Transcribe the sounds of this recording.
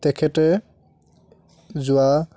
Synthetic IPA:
tɛkʰɛtɛ | zʊa

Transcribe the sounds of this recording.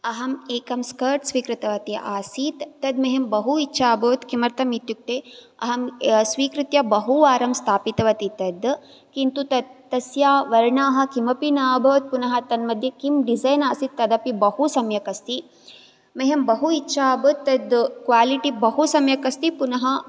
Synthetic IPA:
ɐɦɐmeːkɐmskɐɾʈsʋiːkɾɨt̪ɐʋɐt̪iʔaːsiːt̪ːɐd̪mɐɦembɐɦuitːʃʰaːbɐɐt̪kimɐɾt̪ʰɐmit̪juk̚t̪eː | ɐ̰ɦɐmsʋiːkɾɨt̪jɐbɐɦuʋaːɾɐmst̪ʰaːpit̪ɐʋɐt̪it̪ɐd̪ | kint̪ut̪ɐt̪ːɐsjaːʋɐɾɳaːɦɐ̆kimɐpinaːbʱɐʋɐt̪̚punɐɦɐt̪ɐnmɐd̪ʱjɐkimɖizɐjnaːsit̪ːɐd̪ɐpibɐhusɐmjɐkɐst̪i | mɐɦembɐɦuitːʃʰaːbot̪ːɐd̪kwʋaːliʈibɐɦusɐmjɐkɐst̪ipunɐɦɐ

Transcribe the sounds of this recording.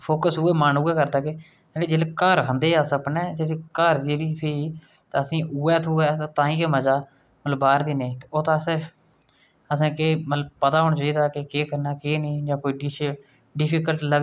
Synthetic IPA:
pʰoːkəsuːeːmaːnuːeːkəɾd̪aːkeː | eleːd͡ʒeːleːkəːɾkʰənd̪eːəsəpnɛːd͡ʒeːliːkəːɾd͡ʒeːliːsiː | t̪ːəsĩːʔuːɛːt̪ʰuːɛːt̪at̪ãːĩːkeməd͡ʒaː | mət̪ləbaːɾd̪iːnẽːt̪eoːt̪ãːsɪɾ | əsãːkeːmət̪ləbpət̪aːɦoɳt͡ʃaːiːd̪aːkekeːkəɾnaːkeːnĩːd͡ʒãːkoːiːɖɪʃ | ɖɪpʰiːkəlʈlə

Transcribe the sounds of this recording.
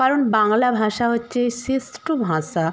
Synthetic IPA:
kaɾonbaŋlabʱãʃaɦotːɕʰesisʈobʱãʃa

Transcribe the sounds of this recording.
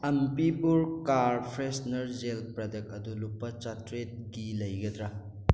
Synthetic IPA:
ɐmpibuɾkaɾpʰɾesnɐɾzelpɾɐdɐk̚ɐdulupːɐt͡ʃatɾet̚ɡilɐjɡɐd̪ɾɐ

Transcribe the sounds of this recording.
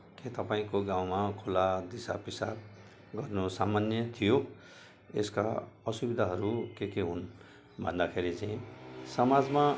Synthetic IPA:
ket̪ʌpaĩkoɡãw̃makʰulad̪isapisa | ɡʌrnusamanjʌt̪ʰijo | ḛska̰ʌsubid̪ʱaɦʌɾukekeɦun | bʱʌ̰nd̪akʰeɾit͡saĩsʌmad͡zma

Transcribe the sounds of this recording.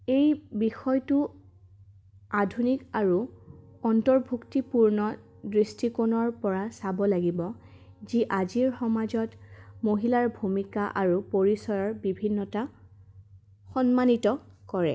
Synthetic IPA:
ejbixɔjtu | adʱunikaɹu | ɔntɔɹbʱuktipuɹnɔ | dɹistikonɔɹpɔɹasabɔlaɡibɔ | ziʔaziɹxɔmazɔtmoɦilaɹbʱumikaʔaɹupoɹisɔjɔɹbibʱinːɔta | xɔnmanitɔkɔɹɛ̰

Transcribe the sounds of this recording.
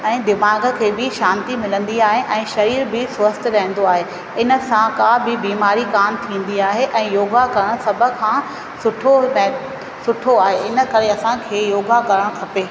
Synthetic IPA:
ɛ̃ːd̪ɪmaːɡə̆kʰeːbɪʃãːnt̪imɪlə̃nd̪iaːɦeʔɛ̃ːʃɐɾiːɾbɪswəst̪ɾɐɦɪ̃ə̃n̆d̪oaːɦe | ɪnə̆sãkabɪbiːmaːɾikaːnt̪ʰĩːn̆d̪iaːɦeʔɛ̃ːjoːɡakɐɾəɽ̃sɐbʱə̆kʰãː | sʊʈʰomɛ | sʊʈʰoaːɦeɪnə̆kɐɾeɐsãkʰeːjoːɡakɐɾəɽ̃kʰɐpeː

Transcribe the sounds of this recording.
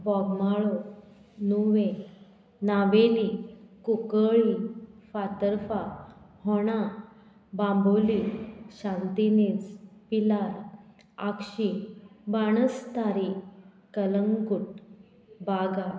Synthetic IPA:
bɔɡmaɭo | nuʋẽ | naʋelikukəɭifat̪əɾfahɔɽ̃a | bãmboliɕãnt̪inet͡spilaɾ | akɕibaɽ̃əst̪aɾi | kələŋɡuʈ̚ | baɡa

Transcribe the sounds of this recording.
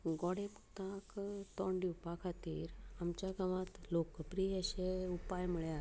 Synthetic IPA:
ɡɔɽeput̪ãkt̪ɔɳɖiwpakʰat̪iːɾamt͡ɕjaɡamãt̪lokːəpɾiəɕeupajməɭja

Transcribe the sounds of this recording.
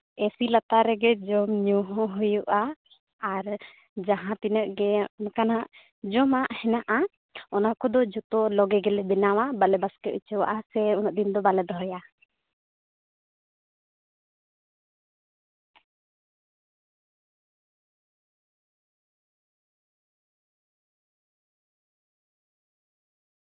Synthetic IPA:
esilat̪aɾɛɡɛd͡ʒɔmɲuɦɔ̃ɦujuʔaː | ɾ | d͡ʒaɦãt̪inəʔɡɛnkanaʔ | d͡ʒɔmaʔhɛnaʔa | ɔnakɔd̪ɔd͡ʒut̪ɔlɔɡɛɡɛlɛbɛnawabalɛbaskɛʔ̪ut͡ʃɛwa̰ʔasɛɔnɔʔ̚d̪ind̪ɔbalɛd̪ɔɦɔja

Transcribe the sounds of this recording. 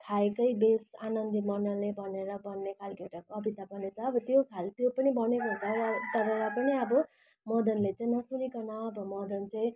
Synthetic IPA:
t̪ʰaekʌjbesanʌnd̪imʌnʌlebʱʌneɾʌbʌnːekʰalkeʈakʌbit̪abʌnet͡sʰʌːbʌt̪jokʰalt̪jopʌnibʌnekot͡sʌt̪ʌɾeɾapʌniʌbʌ | mʌd̪ʱʌnlet͡sʌĩnʌsunikʌnʌʌbʌmʌd̪ʱʌnt͡sʌĩ

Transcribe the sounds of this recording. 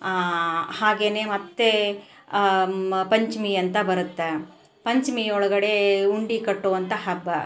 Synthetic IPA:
haːɡe̞ːne̞ːmɐt̪ːe | pɐɲt͡ʃmiɐnt̪ɐbɐɾut̪ːe | pɐɲt͡ʃmiɔɭɐɡɐɽeuɳɖikɐʈːoːʋɐnt̪ɐɦɐbːɐ

